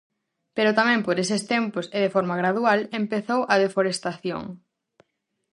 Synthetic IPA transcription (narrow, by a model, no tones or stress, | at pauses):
peɾʊt̪amɛ̃mpoɾesɪst̪empʊseðefɔɾmɐɣɾaðualempeθowʔɐðefoɾest̪aθjo̰ŋ